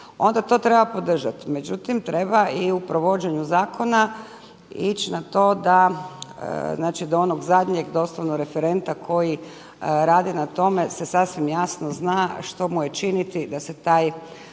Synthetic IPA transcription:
o̞nd̪at̪o̞ːt̪ɾe̞bapo̞d̪r̩ʒat̪i̥me̞d͡ʑut̪imt̪ɾe̞baiupɾo̞ʋo̞d͡ʑeɲuzaːkʰo̞na | it͡ɕnat̪o̞ːd̪a̰ | znaːt͡ʃid̪oonoɡzad̪ɲe̞ɡd̪o̞slˠoʋnoɡɾe̞feɾe̞nt̪akʰo̞ji | ɾaːd̪inat̪o̞me̞sesasʋimjasnoznaʃt̪o̞muje̞t͡ʃinit̪id̪ase̞t̪aːj

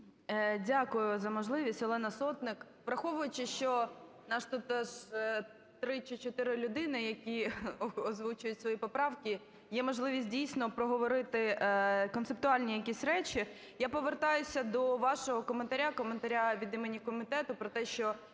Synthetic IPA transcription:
dʲakʊjʊzɐmɔʒlˠɪʋʲisʲtʲɔlˠɛnɐsɔt̪nɪk | pɾɐxɔʋʊjʊt͡ʃɪʃt͡ʃɔ | nɑʃt̪ut̪ːɛʒ | t̪ɾɪt͡ʃit͡ʃɔt̪ɪɾɪlʲʊd̪ɪnɪjɐkʲiɔzʋut͡ʃʊjʊtʲsʋɔjipɔpɾɑʋkʲi | jɛmɔʒlˠɪʋʲisʲt̚ʲdʲijsʲnɔpɾɔɦɔʋɔɾɪt̪ɪkɔnsep̚t̪ʊɑlʲnʲijɐkʲisʲɾɛt͡ʃi | japɔʋert̪ɑjʊsʲɐd̪ɔʋɑʃɔɦɔkɔment̪ɐɾʲakɔment̪ɐɾʲaʋʲid̪imenʲikɔmʲit̪ɛt̪ʊpɾɔt̪ɛʃt͡ʃɔ

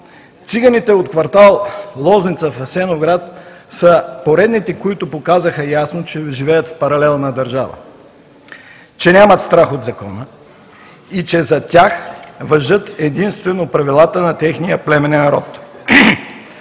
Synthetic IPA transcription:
t̪siɡənit̪ɛot̪kvɐɾt̪alˠlˠɔznit̪səfɐsɛnovɡɾat̪ | səpoɾɛd̪nit̪ɛkoit̪ʊpokazəxəjasnot͡ʃɛʒivɛjət̪fpɐɾɐlɛlˠnɐd̪ɐɾʒavə̰ | t͡ʃɛnʲamət̪st̪ɾaxod̪zɐkɔnə | it͡ʃɛzɐt̪ʲaxvɐʒɤt̪ɛd̪inst̪vɛnopɾɐvilˠat̪ənɐt̪ɛxnijəplɛmɛnɛnɐɾɔt̪

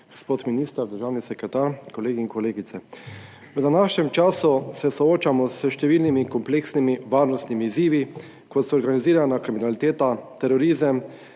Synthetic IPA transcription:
ɡ̥ospoːt̪miniːst̪əɾd̪əɾʒaːwnisɛkɾɛt̪aːɾkɔleːɡiːŋkɔleːɡit̪sɛ | wd̪anaːʃɲɛmt͡ʃaːsusɛsɔoːt͡ʃamɔsəʃt̪ɛʋiːlnimikɔmpleːksnimiʋaːɾnɔst̪nimiːziːʋi | kɔt̪sɛɔɾɡaniziːɾanakɾiminalit̪eːt̪at̪ɛɾɔɾiːzəm

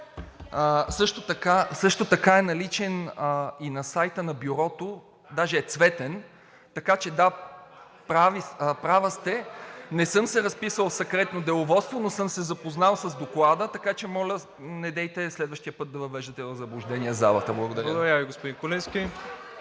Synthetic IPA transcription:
əsɤʃt̪ot̪ɐkasɤʃt̪ot̪ɐkaɛnɐlit͡ʃɛninɐsajt̪ənɐbjuɾɔt̪o | d̪aʒɛːt̪svɛt̪ɛn | t̪ɐkat͡ʃɛd̪a | pɾavipɾavəst̪ɛnɛsɤmsɛɾɐspisəlˠsɐkɾɛt̪nod̪ɛlˠovɔt̪st̪vonosɤmsɛzɐpoznalˠsɐzd̪oklˠad̪ət̪ɐkat͡ʃɛmɔlʲə | nɛd̪ɛjt̪ɛslɛd̪vəʃt̪ijəpɤt̪̚d̪ɐvɐvɛʒd̪ət̪ɛvɐzɐblˠʊʒd̪ɛniɛza̰lˠə̰t̪əblˠɐɡod̪ɐɾd̪ɐɾaviɡospʊd̪ĩŋkolinskʲi

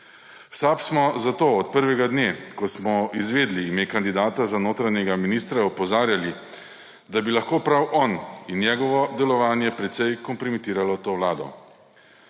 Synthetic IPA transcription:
wsaːpsmɔzat̪oːɔt̪̚pəɾʋɛɡad̪nekɔsmɔizʋeːd̪liːmjekand̪id̪aːt̪azanoːt̪ɾanɛɡaminiːst̪ɾaɔpɔzaːɾjali | d̪abilaxkoːpɾawʔɔninjɛɡɔʋɔd̪ɛlɔʋaːnjɛpɾɛt̪sɛjkɔmpɾɔmɛt̪iːɾalɔt̪oːwlaːd̪ɔ̰

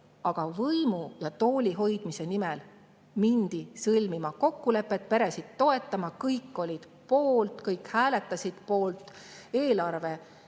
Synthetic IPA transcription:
ɑɡ̥ɑvɤjmujɑt̪o̞ːlʲiɦo̞jd̪mise̞nimɛl | mind̪̥isɤlʲmimɑko̞kːule̞pːˑet̪̚pe̞ɾe̞sid̪̥t̪ːo̞e̞t̪ːˑɑmɑkɤjkːˑo̞lʲid̪̥ | po̞ːlt̪kɤjkhæːlet̪ˑːɑsid̪̥po̞ːlt̪ːˑe̞ːlɑrve̞

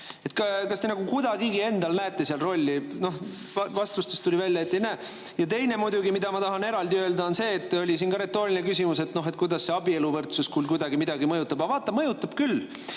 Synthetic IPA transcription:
e̞t̪ːkɑkɑst̪e̞nɑɡ̥ukujd̪ɑɡiɡie̞nd̪̥ɑlnæet̪ːˑe̞siɑlro̞lʲːino̞h | vɑvɑst̪ust̪est̪ulʲivælʲːjɑet̪ːˑenæː | jɑt̪e̞jne̞mud̪uɡimid̪̥ɑmɑt̪ɑɦɑne̞ɾɑld̪iø̞ld̪ɑo̞nse̞ːt̪ːˑolʲisiːnkɑɾet̪ːoːɾiinekysʲimuset̪no̞ɦet̪̚kujd̪̥ɑsːe̞ɑbie̞luvɤrt̪suskuːlkujd̪̥ɑɡimid̪̥ɑɡimɤjut̪ːˑɑb̥ɑvɑːt̪ːˑɑmɤjut̪ːˑɑb̥kyl

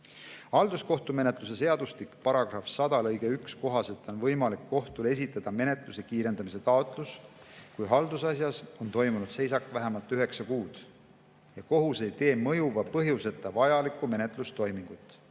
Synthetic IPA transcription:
hɑld̪̥usko̞ht̪ume̞ne̞t̪ˑlus̬e̞se̞ɑd̪̥ust̪ikpɑɾɑɡ̥rɑfsɑd̪ɑlɤjɡ̥e̞yksko̞ɦɑse̞t̪ːˑo̞nvɤjmɑlikːo̞ht̪ule̞s̬it̪ːˑɑd̪̥ɑme̞ne̞t̪ˑluse̞kiːɾe̞nd̪̥ɑmise̞t̪ɑot̪ˑluskujɦɑld̪usɑsjɑso̞nt̪o̞jmunud̪se̞js̬ɑkvæɦæmɑlt̪ːˑyɦe̞ksɑkuːd̪̥ | jɑko̞ɦuse̞jt̪e̞ːmɤjuvɑpɤɦjuse̞t̪ːˑɑvɑjɑlikˑːume̞net̪ˑlust̪o̞jmiŋɡ̥ut̪ːˑ

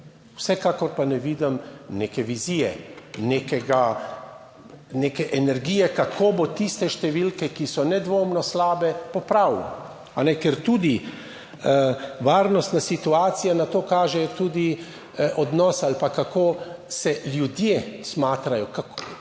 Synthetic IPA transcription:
wsɛkaːkɔɾpanɛʋiːd̪əmnekɛʋiziːjɛneːkɛɡa | neːkɛʔɛnɛɾɡiːjɛkakʰoːbot̪ist̪ɛʃt̪ɛʋilkɛkisɔnɛd̪ʋoːmnɔslaːbɛpɔpɾaw | anɛkɛɾt̪uːd̪i | ʋaːɾnɔst̪nasit̪uaːt̪sijanat̪oːkaːʒɛt̪uːd̪i | ʔɔd̪nɔːsalpakakoːsɛljud̪jesmaːt̪ɾajɔkak

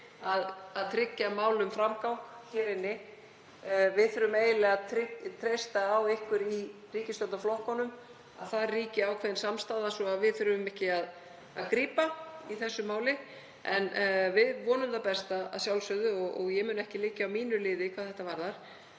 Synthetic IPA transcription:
aðaðt̪ʰɾɪcːamaːwlʏmfɾamkawkçɛːɾɪnːɪ | vɪðθʏɾʏmeːjɪlɛɣaðt̪ʰɾɪt̪ʰɾejst̪aːwɪhkvʏɾi | riːcɪst̪œt̪aflɔhkɔnʏm | a̰ðθaðriːcɪawkʰvɛːðɪnsamst̪aːðasɔaðvɪðθʏɾʏmɛhcɪað | a̰ðkɾiːpaiθɛsːʏmaːwlɪ | ɛnvɪðvɔːnʏmθawpɛst̪aa̰ðsjawlsœɣðʏɔɣɔɣjɛmʏːnɛhcɪlɪːcaawmiːnʏlɪːðɪkʰaðθɛht̪ːavaɾðaɾ̥

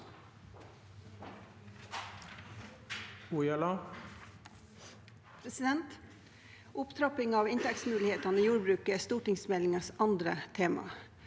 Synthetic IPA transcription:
ujɑlɑ | pʰɾɛsɪd̪ɛnt̪ | ʔʊpt̪ʰɾɑpɪŋɑːʋɪnt̪ʰɛksmʉːlɪheːt̪ɑnəiːjuːɾbɾʉːkəæst̪uːʈɪŋsmɛlɪŋɑsɑnd̪ɾət̪ʰeːmɑ̰

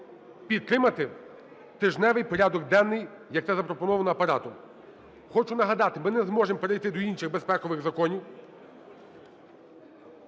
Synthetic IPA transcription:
pʲidt̪̚t̪ːɾɪmɐt̪ɪ | t̪ɪʒnɛʋɪjpɔɾʲad̪ɔɡd̪ɛnːɪj | jɐkt̪ɛzɐpɾɔpɔnɔʋɐnɔɐpɐɾɑt̪ʊm | xɔt͡ʃʊnɐɦɐd̪ɑt̪ɪmɪnɛzmɔʒempeɾejt̪ɪd̪ɔinʃɪɣbespɛkɔʋɪɣzɐkɔnʲiw

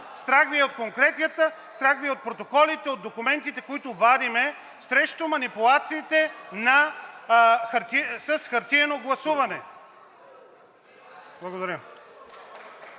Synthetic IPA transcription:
st̪ɾaɡviɛot̪̚koŋkɾɛt̪jət̪əst̪ɾaɡviɛot̪̚pɾot̪okɔlit̪ɛod̪ːokumɛnt̪it̪ɛkoit̪ʊvad̪imɛ | sɾɛʃt̪omɐnipulˠat̪siːt̪ɛnɐ | xɐɾt̪isɐsxɐɾt̪iɛnoɡlˠɐsuvɐnɛ | blˠɐɡod̪ɐɾʲəm

